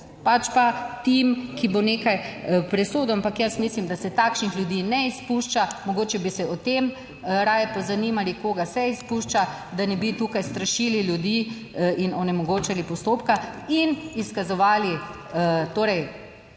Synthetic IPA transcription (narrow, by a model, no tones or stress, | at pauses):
pat͡ʃpat̪imkiboneːkajpɾɛsoːd̪ɔampakjəsmislimd̪asɛt̪akʃnixljud̪iːnɛispuʃt͡ʃamɔɡoːt͡ʃɛbisɛɔt̪em | ɾaːjɛpɔzanimalikoːɡasɛispuʃt͡ʃa | d̪anɛbit̪ukajst̪ɾaʃiːliljud̪i | inɔnɛmɔɡoːt͡ʃalipɔst̪oːpkainiskazɔʋaːli | t̪oːɾɛj